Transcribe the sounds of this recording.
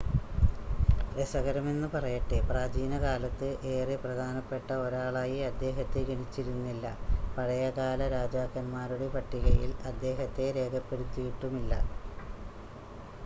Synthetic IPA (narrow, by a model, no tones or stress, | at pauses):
ɾesɐɣɐɾɐme̞nːɨpɐrɐjɐʈːepraːd͡ʑiːnɐkaːlɐt̪ːɨʔe̞ːrɨprɐd̪ʱaːnɐpːe̞ʈːɐoɾaːɭaːjiɐd̪ːe̞ːɦɐt̪ːeɡɐnit͡ɕːiɾunːilːɐ̰pɐɻɐjɐkaːlɐɾaːd͡ʑaːkːɐnmaːɾuɽe̞pɐʈːiɣɐjḭlɐd̪ːe̞ːɦɐt̪ːe̞ɾe̞ːkʰɐpːe̞ɽit̪ːijiʈːumilːɐ̰